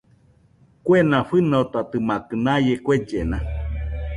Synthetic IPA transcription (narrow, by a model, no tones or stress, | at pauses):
kwenãɸɨnoot̪at̪ɨmakɨnajekʷed͡ʒena